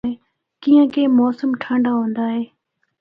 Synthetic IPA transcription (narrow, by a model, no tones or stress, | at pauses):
eː | kiːə̃kẽːmɔːsəmʈʰãːɳɖaːɦõːnd̪aːɦeː